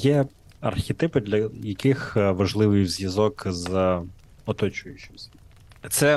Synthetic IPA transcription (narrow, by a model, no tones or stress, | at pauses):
jɛ | ɐ̰rxʲɪt̪ɪpɪd̪lʲɐjɐkɪxʋɐʒlˠɪʋɪjwzʲjɐzɔkz | ɔt̪ɔt͡ʃʊjʊt͡ʃɪ̥msʲɐ | t̪sɛ